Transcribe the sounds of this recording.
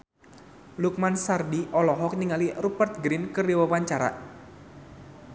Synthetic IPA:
luk̚mansardiʔɔlɔɦɔk̚niŋalirupərt̪̚ɡɾɪnkəriwawaɲt͡ʃaɾa̰

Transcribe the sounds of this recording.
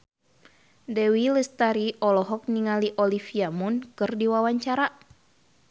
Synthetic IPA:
dɛwiləst̪aɾiʔɔlɔɦɔk̚niŋaliʔɔlifiamunkɨrdiwawaɲt͡ʃaɾa

